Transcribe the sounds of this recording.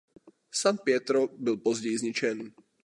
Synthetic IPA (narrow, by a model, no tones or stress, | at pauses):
sanpɪɛt̪ɾobɪlpozɟɛjɪzɲɪt͡ʃɛn